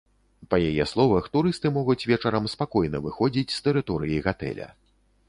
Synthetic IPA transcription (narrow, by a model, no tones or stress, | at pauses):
pɐjajɛslˠɔvɐxt̪uɾɨst̪ɨmɔɣut͡sʲvʲɛt͡ʂɐɾɐmspakɔjnɐvɨxɔd͡zʲit͡sʲst̪ɛɾɨt̪ɔɾɨjiɣat̪ɛ̰lʲɐ̰